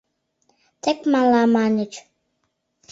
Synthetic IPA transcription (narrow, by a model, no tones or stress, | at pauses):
t̪ekmɑlɑmɑnət͡ʃ